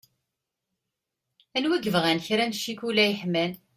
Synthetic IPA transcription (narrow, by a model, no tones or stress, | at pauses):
ænwæɡəvʁænçɾænʃːikulæjəħmæn